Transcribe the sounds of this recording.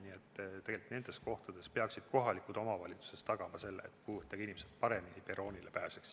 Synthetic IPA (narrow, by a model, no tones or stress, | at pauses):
niet̪ːt̪ːe̞ɡ̥e̞lit̪ːˑne̞nd̪e̞sko̞ht̪ɑd̪̥e̞spe̞ɑksid̪̥̚ko̞ɦɑlikut̪o̞mɑvɑlʲit̪su̥se̞st̪ɑɡ̥ɑmɑse̞lːḛet̪ːˑkujvɤt̪ːˑɑɡ̥inimsed̪̚pɑɾe̞minipeɾo̞ːnʲilepæːseks